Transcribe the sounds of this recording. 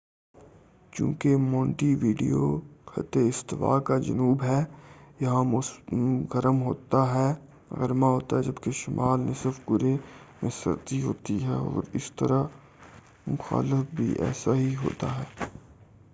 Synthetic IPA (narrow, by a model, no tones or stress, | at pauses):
t͡ʃṵ̃ːkemɔ̃ːɳʈiʋiːɖḭjoxɐ̰t̪eɪst̪ɪwa̰ːkad͡ʒɐ̰nuːbɦɛːjɐɦãmʊsɣɐɾəmɦoːt̪aɦɛː | ɣɐɾmaɦoːt̪aɦɛd͡ʒɐbkeʃɪmʔaːlnẽsɪɾfɡʊɾemẽsɐ̰ɾt̪iɦoːt̪iɦɛɔːɾɪst̪əɾa | mʊxa̰ːlɪfbʱḭʔɛ̰ːsaɦiɦo̰ːt̪aɦɛː